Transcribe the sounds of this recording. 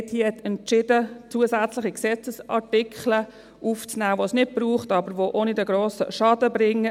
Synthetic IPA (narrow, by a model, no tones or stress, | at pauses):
ɛthiːɛt͡sɛntt͡ʃɪdət͡suəsæt͡slɪχiksɛt͡səsɑ̰ɹtɪkχlə | ʔuft͡snæːʋosnɪt̚b̥ɾuːχtɑbəɾʋoʔoːnidɛɡɾoːsə̰ʃɑdəbɾɪŋːə